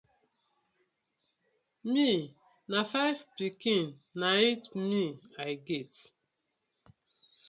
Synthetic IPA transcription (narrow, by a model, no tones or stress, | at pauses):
mi | nafaɪvpikĩnːaitmiajɡet